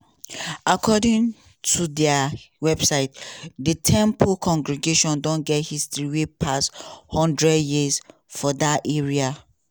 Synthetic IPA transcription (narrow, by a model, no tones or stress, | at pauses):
akʰɔdĩŋ | tʰudɛawɛbsaɪtdətʰɛ̃mpʰukʰɔ̃ŋɡɹiɡeʃɔ̃ndɔ̃nɡɛthistɹiwepʰasthɔ̃ndɹɛdjiz | fɔdatɛɹia